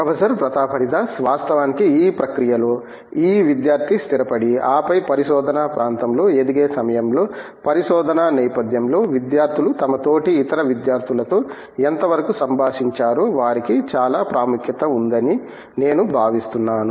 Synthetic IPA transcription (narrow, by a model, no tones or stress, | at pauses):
ɐʋɐsɐɾɐpɾɐt̪aːpʰɐɾid̪asʋaːst̪ɐʋaːnikiiːpɾɐkɾijɐlo̞ː | iːʋid̪jaːɾt̪ʰist̪iɾɐpɐɽiaːpɐjpɐɾiʃɔːd̪ɐnaːpɾʔaːnt̪ɐmlo̞ːed̪iɡeːsɐmɐjɐmlo̞ː | pɐɾiʃɔːd̪ʱɐnanɛːpɐd̪ʱjɐmlo̞ːʋid̪jaːɾt̪ʰilut̪ɐmɐt̪o̞ːʈiːt̪ɐɾɐʋid̪jaːɾt̪ʰilɐt̪o̞ː | ent̪ɐʋɐɾɐkusɐmbʱaːʂiɲt͡ʃaːɾoːʋaːɾikit͡ʃaːlaːpɾaːmukʰjɐt̪ɐund̪ɐni | ne̞ːnubʱaːʋist̪unːaːnu